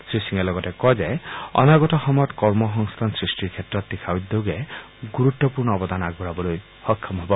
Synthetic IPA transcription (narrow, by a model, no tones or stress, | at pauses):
sɾisiŋelɔɡɔtekɔd͡ʒeɔ̰naɡɔtɔxɔmɔjɔt̪kɔɾmɔɦɔŋst̪ʰansɾisʈiɾkʰetɾɔt̪ːikʰawd̪oɡe | ɡuɾut̪ːɔpuɾɳɔːbɔd̪anaɡuɾabɔloj | hɔkʰːɔmɦebɔ